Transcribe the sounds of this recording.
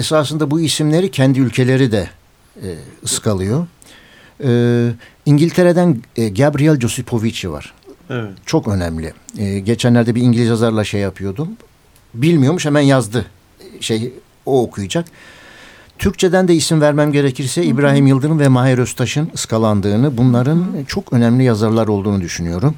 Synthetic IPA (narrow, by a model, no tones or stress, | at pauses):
esaːsɯnd̪abuisimlʲe̞ɾicʰɛnd̪iylʲcʰe̞lʲe̞ɾid̪ɛ | ɯskʰalˠɯjo̞ | ɯ | iɲɟilʲt̪ʰe̞ɾe̞d̪ænɟabɾijalʲd͡ʒo̞sipʰo̞vit͡ʃva̰ɾ̥ | t͡ʃʰo̞kø̞næmlʲḭɟe̞t͡ʃʰænlʲæɾd̪ɛbiɾiɲɟilʲizazaɾlˠaʃejːapʰɯjo̞d̪um | bilʲmijo̞ɾmuʃhɛmænjazd̪ɯ | ʃej | oːkʰujud͡ʒak | t̪ʰyɾc̚t͡ʃʰe̞d̪ænd̪ɛisimvæɾmæmɟe̞ɾecʰiɾsɛibɾaːɦimjɯlˠd̪ɯɾɯnvɛmaɦeɾøst̪ʰaʃɯnɯskʰalˠand̪ɯːnɯbunlˠaɾɯnt͡ʃʰo̞kʰø̞næmlʲijazaɾlˠaɾo̞lˠd̪uːnud̪yʃynyjo̞ɾum